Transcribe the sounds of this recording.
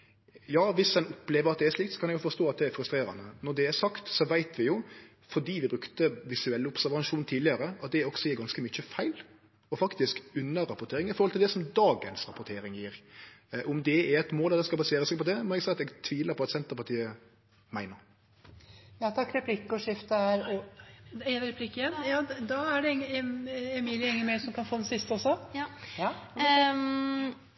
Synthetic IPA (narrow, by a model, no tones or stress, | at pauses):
jɑːʋɪsɛnʊpleːʋəɾɑt̪̚d̪ɛæɾʂliːkt̪sɔ̥kʰɑnɛɡjʊfɔst̪oːɑt̪̚d̪ɛæɾfɾʉst̪ɾeːɾɑnːənɔɖ̪ɛæɾsɑkt̪sɔʋæɪt̪ʰʋɪjʊ | fɔɖiːʋɪbɾʉkt̪əʋɪsʉɛlːʊpsæɾʋɑʃuːnt̪ʰiːd̪lɪəɾəɑt̪̚d̪ɛɔksɔjɪːɾɡɑnskəmʏçəfæɪl | ɔfɑkt̪ɪskʉnːəɾɑpʊɾtʰeːɾɪŋɪfɔɾhɔlt̪ɪld̪ɛsɔmd̪ɑːɡənsɾɑpʊɾt̪ʰeːɾɪŋjiːɾʔɔmd̪ɛɛɛt̪moːlɑd̪ɛnskɑbɑseːɾəsɛɡpʰɔd̪ɛmɔɛɡsæɪɑt̪ɛɡt̪ʰʋiːləɾpʰɔɑt̪sɛnt̪əɾpɑt̪ʰiːə | mæɪnəɾ | jɑːt̪ʰɑkːɾɛpʰlɪkːəɔʂɪft̪əæɾɔ | ɛnɾɛpʰlɪkːəjɛnjɑːd̪ɑæɖɛɪ | ɛmiːlɪəɪŋːəmɛɪlsɔmkʰɑnfoːd̪ɛnsɪst̪əɔsːɔ